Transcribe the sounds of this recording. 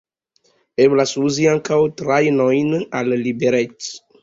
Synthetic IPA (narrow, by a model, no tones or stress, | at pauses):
eblasuziãŋkawt̪ɾajnɔjnallibeɾɛt